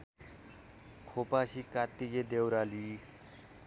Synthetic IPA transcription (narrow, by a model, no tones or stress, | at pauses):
kʰopasikat̪ːiɡed̪ewɾali